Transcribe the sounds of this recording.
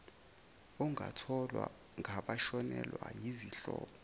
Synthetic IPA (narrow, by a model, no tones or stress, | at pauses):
uŋʱatʰɔlwa | ŋʱaɓaʃɔnɛlwajiziɬɔːɓɔ